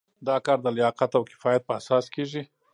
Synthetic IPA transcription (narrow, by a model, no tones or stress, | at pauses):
d̪ɑkɑɾd̪əlɪjɑqat̪awkɪ̥fɑjat̪̚pəasɑːskeʐi